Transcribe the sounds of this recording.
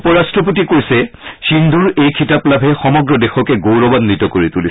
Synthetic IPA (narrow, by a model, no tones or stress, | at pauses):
upɔɹastɹɔp̬ot̬ikoisɛsindʱuɹejkʰitaplabʱɛxɔmɔɡɹɔdexɔkɛɡowɹɔbanːitɔkoɹituli